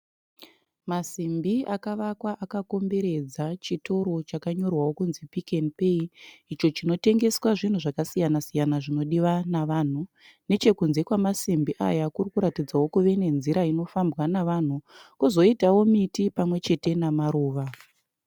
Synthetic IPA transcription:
masimbiakaʋakwaʔakako̞mbe̞ɾe̞d͡zat͡ʃito̞ɾo̞t͡ʃakaɲo̞rwawo̞kunzipikenipe̞iit͡ʃo̞t͡ʃino̞te̞ŋɡe̞swaʐin̤uʐakasijanasijanaʐino̞ɗiʋanaʋan̤u | ne̞t͡ʃe̞kunze̞kwamasimbiʔa̰jakurikuɾatid͡zawo̞kuʋe̞ne̞nziɾaino̞fambɣanaʋan̤ukuzo̞itawo̞mitipamwe̞t͡ʃe̞te̞namaɾuːʋa

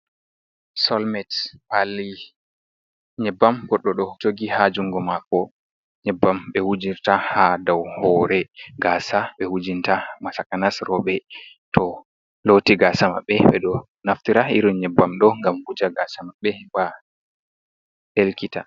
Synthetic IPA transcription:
sɔlmɛtpalːi | ɲɛbːamɡɔɗːɔɗɔd͡ʒoɡihad͡ʒuŋɡɔmakɔ | ɲɛbːamɓɛhud͡ʒiɾtahadawhɔɾɛɡaːsaɓɛhud͡ʒintamasakanasɾɔɓɛ | tɔ | lotiɡasama̰ɓːɛɓɛ̰ɗɔ | naftiɾaiɾɔɲɛbːamɗɔŋɡamhud͡ʒaɡasamaɓɛwa | helkita

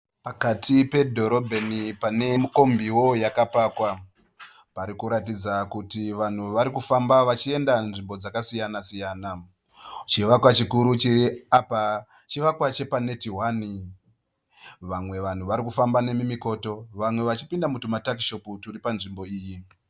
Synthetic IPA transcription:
pakatʰipe̞dʱo̞ɾo̞bʱenipane̞miko̞mbiwo̞jakapaːkwa | paɾikuɾatid͡zakutiʋan̤uʋaɾikufambaʋat͡ʃie̞ndanʐimbo̞d͡zakasijanasijaːna | t͡ʃiʋakwat͡ʃikuɾut͡ʃiɾiapa | t͡ʃiʋakwat͡ʃe̞pane̞tiɦwani | ʋamwe̞ʋan̤uʋaɾikufambane̞mimiko̞to̞ʋamwe̞ʋat͡ʃipindamutumatakiʃo̞puturipanʐimbo̞iːji

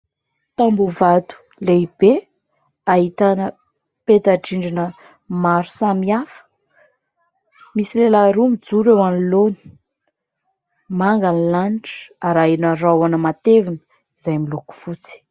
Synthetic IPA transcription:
t̪ambuvat̪u̥ | leib̥e | aɦit̪anə | pet̪aɖ͡ʐiɳɖ͡ʐinə | maɾu̥samiafə̥ | misilelaɾumid͡zuɾewaniloni̥ | maŋɡanilanʈ͡ʂə̥aɾajnərawanəmat̪evinə | izajmiluku̥fut͡si̥

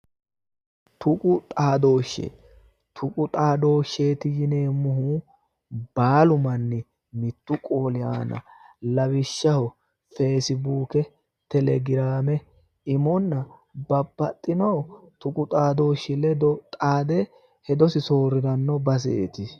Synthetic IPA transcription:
t̪ʰʊkʼʊt̪ʼaːd̪o̞ːʃːḛ | t̪ʰʊkʼʊt̪ʼaːd̪o̞ːʃːe̞ːt̪ɪjɪneːmːʊhu | b̥aːlʊmɐnːɪ | mɪt̪ːʊkʼoːlɪja̰ːnɐ̰lɐβɪʃːɐhɔ | feːsɪbuːkɛ | t̪ɛlɛɡɪɾaːmɛ | ɪmɔnːɐbɐbːɐt̪ʼːɪnɔːt̪ʊkʼʊt̪ʼaːd̪o̞ːʃːɪlɛd̪ɔt̪ʼaːd̪ɛ | hɛd̪ɔsɪso̞ːɾɪd̪ɐnːɔbɐs̬ḛːt̪ɪ

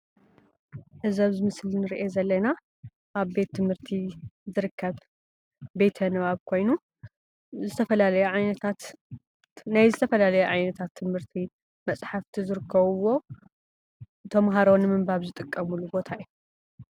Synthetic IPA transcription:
ʔɨzɐβzɨmɨslinɨɾiʔezɐlːɐna | ʔaβbe̞t̪ʰːɨmhɨɾt̪ʰizɨɾɨkʰːɐβ | be̞t̪ʰɐnɨβaβkʰo̞jnu | zɨt̪ʰɐfɐlalɐjuʕajnɐt̪ʰat̪ | najzɨt̪ʰɐfɐlalɐjɛʕajnɐt̪ʰat̪ʰːɨmhɨɾt̪ʰi | mɐsʼħaft̪ʰizɨɾɨkʰːɐβɨwo̞ | ɨt̪ʰo̞mɦaɾonɨmɨmbaβzɨt̪ʼɨkʼːɐmulubo̞t̪ʰaiju

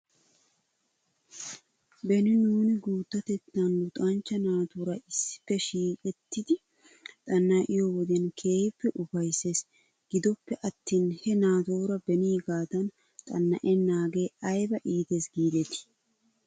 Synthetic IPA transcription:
bɛnɪnuːnɪɡuːt̪ːɐt̪ɛt̪ːɐnlʊt̪ʼɐnt͡ʃːɐnaːt̪oɾɐɪsːɪ̥pːɛʃiːkʼɛt̪ːɪd̪ɪ | t̪ʼɐnːaʔɪjɔwɔd̪ɛnkʰe̞ːhɪpːɛʔʊfɐjse̞ːs | ɡ̥ɪd̪ɔpːɛʔɐt̪ːiːnhɛnaːt̪oːɾɐbɛniːɡaːd̪ɐn | t̪ʼɐnːɐ̰ʔɛnaːɡeːɐjbɐʔiːt̪e̞ːsɡiːd̪ɛt̪ɪ̥

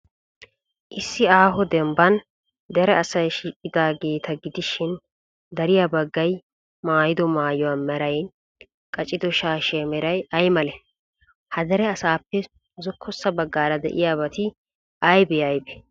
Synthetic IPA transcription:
ʔɪsːɪaːɦɔd̪ɛmbɐn | d̪ɛɾɛɐsɐjʃiːkʼːɪd̪aːɡe̞ːt̪ɐɡɪd̪ɪʃɪn | d̪ɐɾɪjabɐɡːɐj | maːjɪd̪ɔmaːjɔwamɛɾɐjn | kʼɐt͡ʃʼːɪd̪ɔʃaːʃɛmɛɾɐjɐjmɐlɛ | hɐd̪ɛɾɛɐsaːpːɛ | zɔkʰːɔsːɐbɐɡːaːɾɐd̪ɛ̰ʔɪjaːbɐt̪ɪ | ɐjbɛɐjbɛ̥

